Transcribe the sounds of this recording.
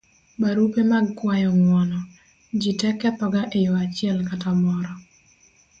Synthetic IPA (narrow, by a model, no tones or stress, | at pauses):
baɾupemaɡkwajɔŋwɔnɔ | d͡ʒitɛkɛpɔɡaʔejoat͡ʃɪɛlkatamɔɾɔ